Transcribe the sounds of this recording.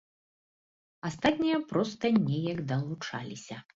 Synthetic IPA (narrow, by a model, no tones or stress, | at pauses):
ast̪at̪ʲnʲijɐpɾɔst̪ɐnʲɛjɐɡd̪ɐlˠut͡ʂa̰lʲisʲɐ